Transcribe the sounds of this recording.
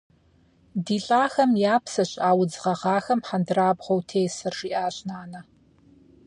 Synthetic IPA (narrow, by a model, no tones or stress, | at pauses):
diːɬʼaːxɐmjaːpʰsɐɕʼaːwd͡zʁɐʁɑːxɐmħandɨraːbʁowtʰeːsɨrʒiːʔaːɕʼnaːnɐ